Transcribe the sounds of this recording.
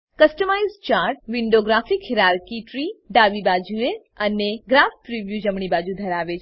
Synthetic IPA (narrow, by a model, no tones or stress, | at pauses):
kəsʈəmajzt͡ʃaɾʈ̚ʋiɳɖoɡɾafikʰiɾaɾkiʈɾiɖaʋibad͡ʒue | əneɡɾafpɾiʋjud͡ʒəmɳ̃ibad͡ʒud̪ʱəɾaʋet͡ʃʰ